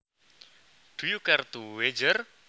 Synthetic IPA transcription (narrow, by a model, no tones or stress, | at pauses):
ɖ̥ujukɛrt̪uwed͡ʒər